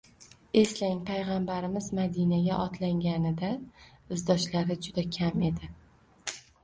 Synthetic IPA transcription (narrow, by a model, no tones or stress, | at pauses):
e̞slaŋpʰajʁambaɾɪmɪzmad̪inaɡʲaʔɒt̪ʰlaŋɡʲanɪd̪aɪzd̪ɒʃlaɾɪd͡ʒʊd̪akʲʰame̞d̪ɪ